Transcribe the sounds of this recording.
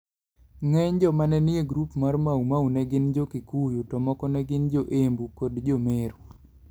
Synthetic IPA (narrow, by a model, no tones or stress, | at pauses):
ŋɛɲd͡ʒɔmanɛnieɡɾupmarmaumawnɛɡɪnd͡ʒokɪkujutɔmɔkɔnɛɡɪnd͡ʒoʔembukɔdd͡ʒomeɾu